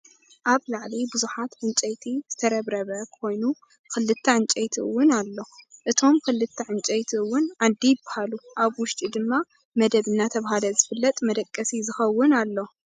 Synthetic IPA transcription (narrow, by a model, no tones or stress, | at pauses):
ʔaβlaʕlibɨzuħat̪ʕɨnt͡ʃʼɐjt̪ʰiz̥ɨt̪ʰɐɾɐβɾɐβɐkʰo̞jnu | kɨlːɨt̪ʰːɐʕɨnt͡ʃʼɐjt̪ʰiɨ̰wːʊnalːo̞ʔɨt̪ʰo̞mkʰɨlːɨt̪ʰːɐʕɨnt͡ʃʼɐjt̪ʰiɨwːʊnad̪ːijɪbḁhaluʔaβwʊʃt̪ʼid̪ɨmːa | mɐd̪ɐβɨnːat̪ʰɐβɦalɐzɨfɨlːɐt̪ʼmɐd̪ɐkʼːɐsizɨxɐwːʊnalːo̞